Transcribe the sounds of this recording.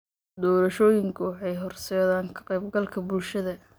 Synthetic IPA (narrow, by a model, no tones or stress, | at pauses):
d̪ɔːɾɐʃɔːjɪŋkʰʊwɑħɑjɦɔrsɛðaːŋkʰɐ̥qɛjb̚ɡɐlkʰɐbʊlʃɐðɐ